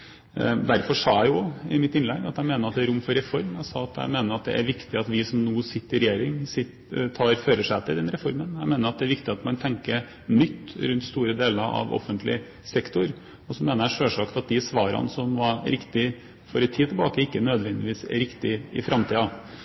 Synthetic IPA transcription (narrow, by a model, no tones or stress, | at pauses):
d̪æɾfɔʂɑːjæɪjʊɪmɪt̪ːɪnlɛɡɑt̪jæɪmeːnəɾɑt̪d̪ɛɾʊmːfɔɾɛfɔɾmæɪsɑːɑt̪jæ̰ɪmeːnəɾɑt̪̚d̪ɛ̰ʔæɾʋɪkt̪ɪɑt̪ʋɪsɔmnuːsɪt̪ːəɾɪɾɛjeːɾɪŋsɪt̪ | t̪ʰɑːɾføːɾəʂæɪt̪ɪld̪ɛnɾɛfɔɾmənjæɪmeːnəɾɑt̪̚d̪ɛæɾʋɪkt̪ɪɑt̪mɑnt̪ʰɛŋkə | nʏt̪ːɾʉnt̪st̪uːɾəd̪eːləɾɑ̰ʋɔ̰fːənt̪lɪ̰ | sɛkt̪ʊɾ | ɔsɔmeːnəɾæʂøːʂɑkt̪ɑt̪̚d̪ɪsʋɑːɾɑ̰nsɔmʋɑɾɾɪkt̪ɪ | fɔɾɛt̪ʰːiːt̪ʰɛlbɑːkəɪkːənœd̪ʋɛnd̪ɪʋiːsɾɪkt̪ɪɪ̰fɾʔɑmt̪ʰiːɑ